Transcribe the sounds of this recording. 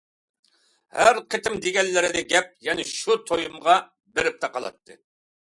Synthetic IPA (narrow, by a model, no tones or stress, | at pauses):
hæɾqʰət̪ʰɪmd̪eɡʲɛlːɪɾɪd̪ɛɡʲɛp̚jɛnɪʃut̪ʰojumʁɑ | beɾɪp̚t̪ʰɑqɑlˠɑ̰t̪ʰːɨ̰